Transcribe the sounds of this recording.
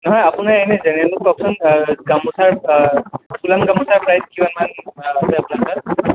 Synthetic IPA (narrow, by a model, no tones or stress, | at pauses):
nɔɦɔjapunajejnɛzɛnaluk̚kɔksɔnɡamusaɹ | kulamɡambusaɹpɹajskibanmanasɛapunaɹka